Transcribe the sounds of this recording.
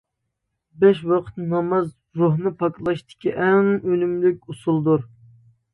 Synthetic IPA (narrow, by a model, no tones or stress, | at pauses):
bɛʃwɑqʰə̥t̪nɑmɑz | ɾoɦnɨpʰɑklˠɑʃt̪ɪ̥kʲʰiʔɛŋølymlyk̚ʲusulˠd̪uɾ